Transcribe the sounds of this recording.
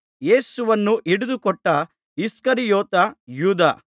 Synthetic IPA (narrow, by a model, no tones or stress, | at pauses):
je̞ːsuʋɐnːuʔiɽud̪ukɔʈːɐ | iskɐɾijɔːt̪ɐjuːd̪a̰ː